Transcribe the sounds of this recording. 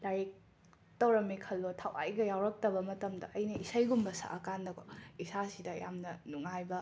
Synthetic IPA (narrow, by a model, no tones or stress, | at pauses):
lajek̚ | tɐwɾɐmːikʰɐlːotʰawʔa̰jɡɐjawɾɐk̚tɐbɐmɐtɐmdɐ̰ʔɐjnɐisajɡumbɐsa̰ʔɐkandɐkʰoisasidɐja̰mnɐnuŋajbɐ